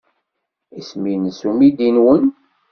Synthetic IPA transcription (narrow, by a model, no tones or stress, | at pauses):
isminəsumid̪inwən